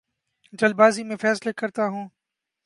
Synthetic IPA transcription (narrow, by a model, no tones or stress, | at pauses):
d͡ʒɐlbaːzimẽfɛːslekɐɾt̪aɦũː